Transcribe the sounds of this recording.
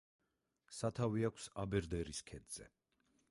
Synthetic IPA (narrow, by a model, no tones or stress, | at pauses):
sat̪ʰaviakʷʰsabɛɾd̪ɛɾiskʰɛd̪z̥ɛ̰